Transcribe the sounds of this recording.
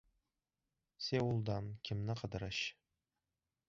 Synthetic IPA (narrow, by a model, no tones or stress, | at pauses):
sewulˠd̪ɑnkʲʰɪmnɪqʰə̆d̪əɾəɕ